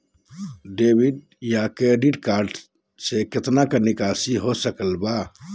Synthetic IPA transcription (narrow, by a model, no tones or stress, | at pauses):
ɖebiɖ | jakeɖiʈkaɾɖ | seket̪nakenikasiɦosəkəlba